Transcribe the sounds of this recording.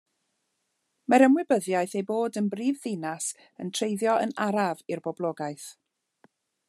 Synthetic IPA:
maɾəmwɪbəðjajθejboːdənbriːvðɪnas | əntʰrejðjɔʔə̰naɾavɪrbɔblˠɔːɡaɨθ

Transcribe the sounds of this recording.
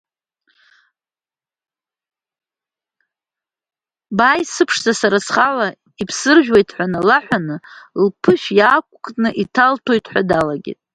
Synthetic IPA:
baːjsɨpʰʂzasaɾasχala | ipʰsɨrʒᶣwejtʰħʷᶣanɨlaħʷᶣanɨlpʰɨʃjaːkʷʼkʼnɨʔitʰaltʰo̞jtʰʼħʷᶣadalaɡʲḭtʼ

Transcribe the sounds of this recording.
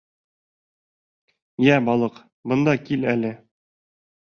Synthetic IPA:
jæbɒlˠɤq | bɤ̆nd̪ɑkilælɘ

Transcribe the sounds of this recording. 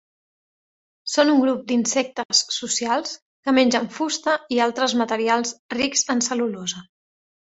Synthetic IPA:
sonuŋɡɾup̚d̪insɛk̚t̪əsːusialˠs | kəmenʲd͡ʒəɱfust̪əialˠt̪ɾəzmət̪əɾialˠzrikzənsəlulozə

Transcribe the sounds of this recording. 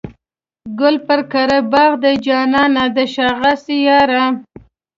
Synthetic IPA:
ɡʊlpəɾkaɾəbɑɣd̪əd͡ʒɑnɑnad̪əʃɑɣasijɑɾa

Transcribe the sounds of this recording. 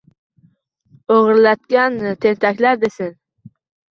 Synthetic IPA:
oʁɨɾlat̪̚kʲant̪ʰe̞nt̪ʰakʲlaɾd̪esɪn

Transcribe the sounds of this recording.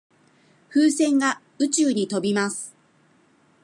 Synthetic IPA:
ɸɯːsẽ̞ŋɡa | ɯ̟t͡ɕɨːɲ̟it̪o̞bʲimasɨ̥

